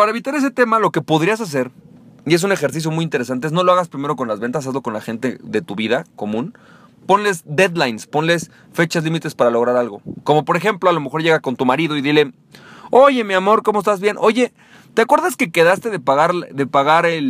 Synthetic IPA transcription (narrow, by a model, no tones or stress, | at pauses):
paɾaeβit̪aɾe̞s̬et̪e̞malo̞ke̞po̞ðɾias̬as̬e̞ɾie̞s̬une̞xe̞ɾs̬is̬jo̞mujint̪eɾe̞s̬ant̪eezno̞loaɣaspɾime̞ɾo̞ko̞nlazβe̞nt̪as̬azlo̞ko̞nlaxe̞nt̪e̞ðe̞t̪uβiðako̞mũn | po̞nle̞zd̪e̞ðlajnspo̞nle̞s | fe̞t͡ʃazlimit̪espaɾalo̞ɣ̞ɾaɾalɣo̞ko̞mo̞po̞ɾexe̞mplo̞alo̞me̞xo̞ɾʝe̞ɣako̞nt̪umaɾiðo̞iðile̞ | o̞ʝe̞miamo̞ɾko̞moest̪azβje̞nʔo̞ʝe̞ | t̪eakwe̞ɾðaske̞ke̞ðast̪eðepaɣaɾðe̞paɣaɾel